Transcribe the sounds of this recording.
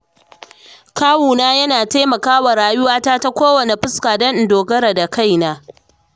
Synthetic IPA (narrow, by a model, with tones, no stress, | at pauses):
kaː˦wuː˨naː˦jɐ˦naː˨taː˦mɐ˨kaː˦wa˨ɾaː˨jʊ˦waː˦taː˦ta˦kʷoː˦wɐ˨ne˨ɸɪ˦skaː˨dɐ˦n˨doː˨ɡɐ˦ɾɐ˨da˨ka˦˨jnaː˦